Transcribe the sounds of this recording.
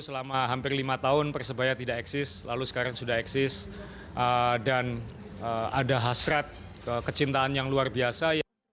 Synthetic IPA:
səlamaɦampɪrlimat̪aɦʊnpərsəbajat̪idaʔɛksɪslalusə̥kaɾaŋsudaɦɛksɪs | ʔədan | əadaɦasɾat̪̚ | əkət͡ʃint̪aːnjaŋluarbiasaj

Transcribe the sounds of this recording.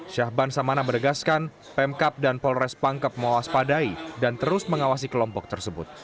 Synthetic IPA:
ʃahbansamanabəɾəɡaskan | pɛmkap̚danpɔlɾɛspaŋkəp̚mɔwaspadaidant̪əɾʊsməŋawas̬ikəlɔmpɔk̚t̪ərsəbʊt̪̚

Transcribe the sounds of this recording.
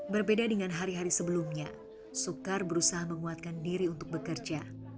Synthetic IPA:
bərbedadəŋanɦaɾiɦaɾisəbəlumɲa | sukarbəɾusaɦaməŋuat̪̚kandiɾiunt̪ʊk̚bəkərd͡ʒa

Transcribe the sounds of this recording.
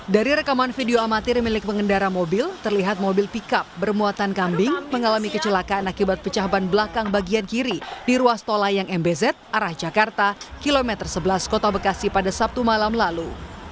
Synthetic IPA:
daɾiɾəkamanfideoamat̪ɪrmilɪk̚pəŋəndaɾamobɪlt̪ərliɦat̪̚mobɪlpikap̚bərmuat̪ankambɪŋməŋalamikət͡ʃəlakaanakibat̪̚pət͡ʃaɦbanbəlakaŋbaɡiankiɾidiɾuast̪olajaŋɛmbɛzɛt̪̚ʔaɾahd͡ʒakart̪akilomɛt̪ərsəbəlaskot̪abəkasipadasap̚t̪umalamlalu

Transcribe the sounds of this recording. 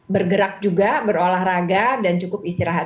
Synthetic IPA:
bərɡəɾak̚d͡ʒuɡabəɾolahraɡadant͡ʃukʊpist̪iɾaɦat̪

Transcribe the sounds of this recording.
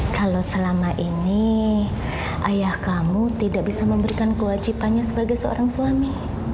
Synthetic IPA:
kalosəlamaʔini | ʔajahkamut̪idak̚bisaməmbəɾikankəwad͡ʒipanɲasəbaɡajsəo̰ɾaŋsuami

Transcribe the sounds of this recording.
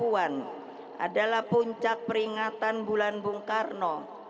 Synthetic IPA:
uan | ʔa̰dalahpuɲt͡ʃak̚pəɾiŋat̪anbulanbuŋkarnɔ

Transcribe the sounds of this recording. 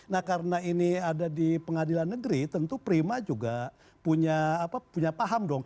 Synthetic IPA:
nahkaɾənainiadadipəŋadilanːəɡɾit̪ənt̪upəɾimad͡ʒuɡa | puɲaːpapuɲapaɦamdɔŋ

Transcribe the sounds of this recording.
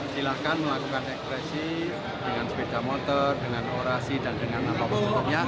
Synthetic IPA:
silahkanməlakukanɛkspɾesi | d̥əŋansəped̥amot̪ɔrdəŋanoɾasidandəŋanːapapt̪aɲa

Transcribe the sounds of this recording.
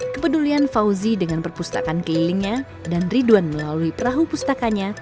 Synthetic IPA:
kəpədulianfauzidəŋanpərpust̪a̰kankəliliŋɲa | danriduanməlaluipəɾaɦupust̪akaɲa

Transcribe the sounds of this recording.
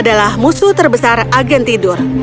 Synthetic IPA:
dalahmusut̪ərbəsaraɡɛnt̪idʊr

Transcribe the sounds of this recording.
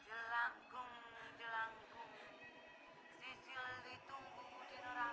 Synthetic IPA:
d͡ʒ̥əlaŋɡʊŋd͡ʒəlaŋɡʊŋ | sisilːit̪uŋbu

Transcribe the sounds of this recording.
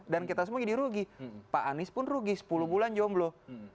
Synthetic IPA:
danket̪as̬əmod͡ʒadiɾuɡipaʔanɪspʊnruɡisə̥pulubuland͡ʒamblo

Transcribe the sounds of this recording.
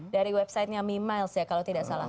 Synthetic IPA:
daɾiwɛp̚sajt̪̚ɲamimalsjakalowt̪idaʔsala̰

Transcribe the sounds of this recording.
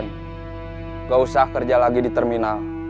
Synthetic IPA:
n | ŋɡausahkərd͡ʒalaɡidit̪ərminal

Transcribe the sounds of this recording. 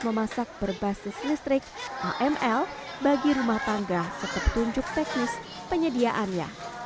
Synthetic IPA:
məmasak̚b̥ərbasɪslist̪ɾɪk̚ʔaʔɛmɛlbaɡiɾumaht̪aŋɡasət̪əp̚t̪uɲd͡ʒʊk̚t̪ɛk̚nɪs | pəɲədiaʔanɲa̰

